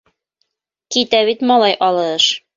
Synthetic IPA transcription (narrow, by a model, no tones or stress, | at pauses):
kit̪æβit̪mɑlˠɑjʔɑlˠɤʃ